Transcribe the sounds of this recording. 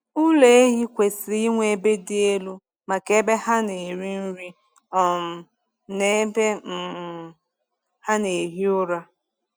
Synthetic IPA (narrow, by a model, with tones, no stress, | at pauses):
ʊ˦le˦e˦ɦi˦kʷe˨sɪ˨ɾi˦ŋʷe˦be˦dɪ˦e˦lu˦ | ma˨ke˦be˦ha˦ne˨ɾi˦n̩˦ɾi˦ | ɔ˨m̩˨ | ne˦be˦m̩˨ | ha˦ne˨ɦi˦ʊ˦ɾa˦